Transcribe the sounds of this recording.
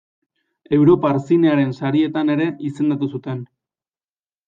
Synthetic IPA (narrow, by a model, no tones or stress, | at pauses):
e̞wɾo̞paːɾsine̞aɾe̞nsaɾie̞t̪ane̞ɾe̞ʔise̞nd̪at̪usut̪e̞n